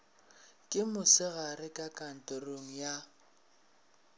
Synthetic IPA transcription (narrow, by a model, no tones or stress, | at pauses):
kʼɪmʊsɪɣarɪkʼakʼan̩tʼoroŋ̩ja